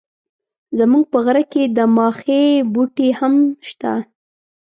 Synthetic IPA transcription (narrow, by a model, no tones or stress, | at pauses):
zamuɡ̚pəɣaɾaked̪əmɑxebuʈehamʃt̪a̰